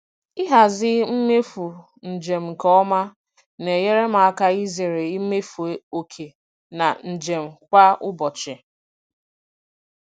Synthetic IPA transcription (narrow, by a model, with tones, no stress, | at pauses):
ɪ˦ɦa˨zɪ˦m̩˦me˦fu˨ | n̩˨d͡ʒe˨m̩˨kɔ˦ma˦ | ne˨je˦ɾe˦ma˨a˦ka˦i˦ze˨ɾe˨i˦me˦fu˨e˨o˨kʰe˨ | na˨n̩˨d͡ʒe˨m̩˨kʷa˦ʔʊ˦bɔ˨t͡ʃɪ˨